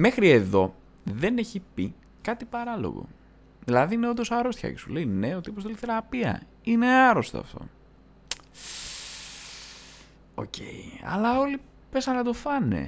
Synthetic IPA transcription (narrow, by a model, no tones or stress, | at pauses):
me̞xɾie̞ðo̞ | ðe̞ne̞çipi | kɐt̪ipɐɾɐlo̰ɣo̰ | ðilɐðiineod̪o̞sɐɾo̞st̪çɐ̰cesuleine̞ot̪iopost̪eliθe̞ɾapiɐ̰ | ine̞aɾo̞st̪oɐ̰ft̪o̞̰ | o̞̰ce̞̰iɐ̰lɐo̞li | pe̞sɐnkɐt̪o̞fɐne̞̰